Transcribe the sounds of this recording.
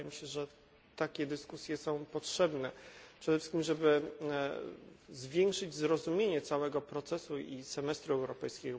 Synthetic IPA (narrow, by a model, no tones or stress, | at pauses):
ɛmɕɛʐɛ | t̪akʲɛd̪ɘskusʲjɛsɔ̃w̃pɔtʂɛbnɛpʂɛd̪ɛfʂskʲimʐɛbɘ | zvʲjɛŋkʂɘd͡ʑzɾɔzumʲjeɲɛt̪sawɛɡɔpɾɔt̪sɛsuisɛmɛst̪ɾuɛwɾɔpɛjskʲɛɡɔ